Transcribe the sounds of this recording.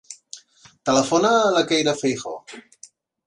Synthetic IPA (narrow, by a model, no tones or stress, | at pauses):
t̪ələfonaːlakejɾafejxo̰